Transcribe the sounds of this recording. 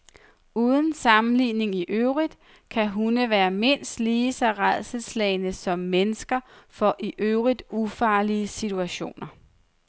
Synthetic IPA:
uːð̞ˠn̩sɑ̈mn̩liːne̝ŋiʔøʊʁid̥ | kʰæɦunəʋæːɐme̝n̰sd̥liːsɑ̈ɪʁaðˠsəslɛ̰ɪnəsɒ̽mːenəsɡ̥ɐfɒ̽ʔiʔøʊʁid̥ufɑ̈ːliəsit͡sʰuæɕo̝̰ːnɐ

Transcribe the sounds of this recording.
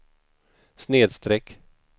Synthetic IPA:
sneːd̪st̪ɾɛkː

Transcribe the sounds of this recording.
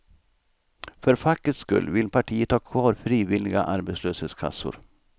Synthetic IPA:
fœɾfakːət̪skɵ̰lːʋɪlpʰaʈʰiːət̪ʰhɑːkʰvɑːɾfɾiːʋɪlɪɡa̰ʔaɾbɛsløːsheːt̪skʰa̰sʊ̰ɾ

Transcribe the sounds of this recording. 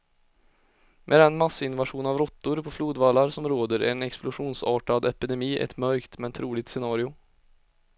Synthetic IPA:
mʔɛ̰d̪ɛnmasːəɪnvaʂuːnavɾɔt̪ːʊɾpʰɔfluːd̪valːaɾsɔmɾoːd̪əɾɛ̰nɛksplʊʂuːnsɑːʈad̪ɛpɪd̪ɛmiːʔɛ̰t̪mœɾkt̪mɛnt̪ʰɾuːlɪɡ̚t̪sɛnɑːɾɪʊ

